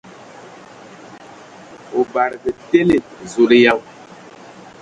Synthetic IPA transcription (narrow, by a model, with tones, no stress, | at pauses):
o˨ba˨ɾɡə˨te˦le˨zo˨ɾe˦ja˦w